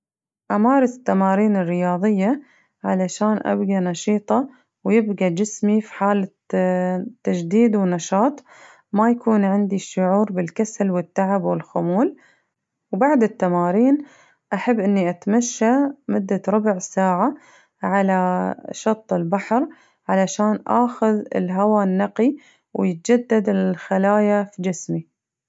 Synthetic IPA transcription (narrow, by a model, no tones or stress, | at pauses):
ʔamɑːɾˤɑsɪ̥t̪ːamaːɾiːnɪrːɪjɑːðˤɨjːa | ʕalaʃaːnʔa̰bɡanɑʃiːt̪ˤɑ | wjɪbɡad͡ʒɪsmifi̥ħaːla | t̪ːad͡ʒd̪iːd̪wnɑʃɑːt̪ˤ | majakuːnʕɪnd̪iʃʊʕuːɾbɪlkasalwɪt̪ːaʕabwɪlxʊmuːl | wbaʕd̪ɪt̪ːamaːɾiːn | ʔaħabːʔɪnːiʔat̪maʃːamʊd̪ːaɾˤʊbʕsaːʕa | ʕalaʃɑt̪ˤːɪlbaħɾ | ʕalaʃaːnʔa̰ːxʊðɪ̰lɦawanːaqi | wjɪt̪̚d͡ʒad̪ːad̪ɪlxalaːjafid͡ʒɪsmi